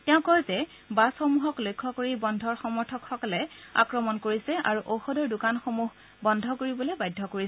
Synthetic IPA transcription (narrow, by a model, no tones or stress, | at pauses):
tɛʊ̃kɔjzɛ | basxomuɦɔklojkʰːɔkoɹibɔndʱɔɹxɔmɔɹtʰɔkxɔkɔlɛa̰kɹɔmɔnkoɹisɛʔaɹuʔowxɔdɔɹdʊkanxomuɦ | bɔndʱɔkoɹibɔloejbajdʱːɔkoɹis